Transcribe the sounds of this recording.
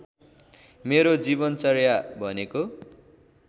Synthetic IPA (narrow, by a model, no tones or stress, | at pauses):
meɾod͡zibʌnt͡sʌrjabʱʌneko